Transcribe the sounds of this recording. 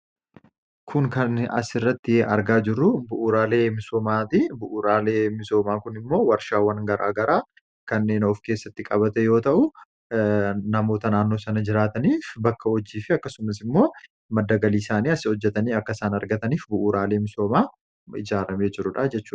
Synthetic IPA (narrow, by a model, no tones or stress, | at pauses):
kʰʊŋkɐnɐ̰sɪrːɐt̪ːɪɐ̰ɾɡaːd͡ʒɪrːʊbʊʔuːɾaːle̞ːmɪsoːmaːt̪ɪbʊʔuːɾaːleːmɪso̞ːmaːkʊnɪmːo̞ːwɐɾʃaːwɐnɡɐɾʔa̰ːɡɐɾaː | kɐnːe̞ːnɔfke̞ːsːɐt̪ːɪkʼɐbɐt̪ɛjo̞ːt̪ɐʔʊ | nɐmo̞ːt̪ɐnaːnːo̞ːsɐnɐd͡ʒɪɾaːt̪ɐniːfbɐkːɐhɔd͡ʒːiːfɪɐkːɐsʊmɐs̬ɪmːo̞ː | mɐd̪ːɐɡɐliːsaːniːɐsɪhɔd͡ʒːɛt̪ɐniːɐkːɐsaːnɐɾɡɐt̪ɐniːfbʊʔuːɾaːle̞ːmɪso̞ːmaː | ɪ̰d͡ʒaːɾɐme̞ːd͡ʒɪɾʊᶑad͡ʒɛt͡ʃːuː